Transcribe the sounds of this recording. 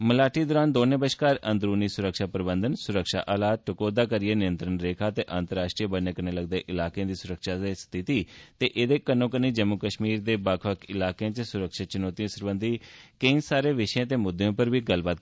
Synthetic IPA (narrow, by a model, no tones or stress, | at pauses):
məlaːʈiːd̪ɔːɾaːnd̪oːnẽːbəʃkaːɾə̃nd̪ɾuːniːsʊɾəkʃaːpɾəbənd̪ənsʊɾəkʃa̰ːʔaːlaːt̪̚ʈəkoːd̪aːkəɾɪjeːnɪjənt̪ɾənɾeːkʰaːt̪eːʔãːnt̪əɾaːʃʈɾiːbənːẽːkəneːləɡd̪eːʔɪlaːkeãːd̪iːsʊɾəkʃaːest̪ʰɪt̪iːt̪eːʔeːd̪eːkənõːkəneːd͡ʒəmːʊkəʃmiːɾd̪eːbaːkʰəkɪlaːkeãːt͡ʃəsʊɾəkʃaːt͡ʃɪnɔːt̪iãːsəɾbənd̪iːkəĩsaːɾeːʋɪʃjãːt̪eːmʊd̪ːejõːpəɾbiːɡəlbaːt̪̚